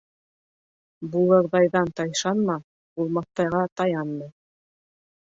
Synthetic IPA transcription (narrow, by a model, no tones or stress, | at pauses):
bulˠɤ̆ɾðɑjðɑnt̪ɑjʃɑnmɑ | bulˠmɑθt̪ɑjʁɑt̪ɑjɑnːɤ